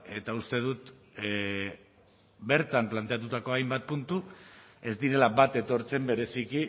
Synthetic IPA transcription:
e̞t̪aust̪e̞ð̞ut̪ | be̞ɾt̪amplant̪e̞at̪̬ut̪ako̞ajmbat̪̚punt̪ue̞zd̪iɾe̞labat̪e̞t̪o̞ɾt͡se̞mbe̞ɾe̞siki

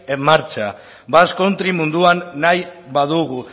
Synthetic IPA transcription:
maɾt͡ʃa | basko̞nt̪ɾimund̪uanːajβaðuɣu

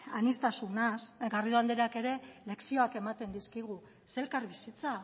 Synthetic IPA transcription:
anist̪asunasɡariðoand̪eɾake̞ɾe̞le̞ksio̞ake̞mat̪e̞nd̪iskiɣ̞u | se̞lkaɾβisit͡sa

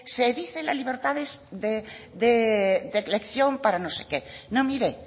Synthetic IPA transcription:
seðiθelazliβ̞eɾt̪aðesðed̪ed̪elekθjompaɾanosekenomiɾe

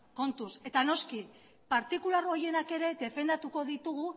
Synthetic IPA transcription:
ko̞nt̪use̞t̪ano̞ski | paɾt̪ikulaɾoje̞nake̞ɾe̞d̪e̞fe̞nd̪at̪uko̞ðit̪uɣ̞u

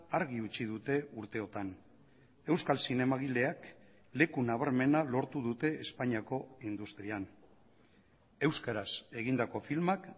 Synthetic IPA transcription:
aɾɣiut͡ʃið̞ut̪e̞uɾt̪e̞o̞t̪an | e̞wskalsine̞maɣile̞ak | le̞kunaβ̞aɾme̞nalo̞ɾt̪uð̞ut̪e̞ːspaɲiako̞ind̪ust̪ɾian | e̞wskaɾase̞ɣ̞ind̪ako̞filmak

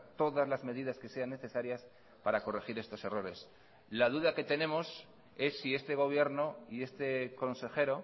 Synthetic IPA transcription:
t̪o̞ðazlazme̞ðiðaske̞se̞anːe̞θe̞saɾjas | paɾako̞rexiɾe̞st̪o̞se̞ro̞ɾe̞s | laðuðake̞t̪e̞nẽ̞mo̞s | e̞sːie̞st̪e̞ɣ̞o̞β̞je̞ɾno̞ie̞st̪e̞ko̞nse̞xe̞ɾo̞

